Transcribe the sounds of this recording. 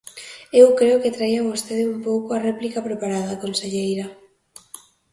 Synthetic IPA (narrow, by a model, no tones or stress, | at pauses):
ewkɾeoket̪ɾaiaβost̪eðeumpowkoarɛplikapɾepaɾaðɐkonseʎejɾɐ